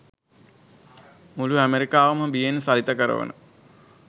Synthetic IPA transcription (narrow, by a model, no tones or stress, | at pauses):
muluæmeɾikaːʋəməbijenəsalit̪əkəɾə̰ʋə̰nə̰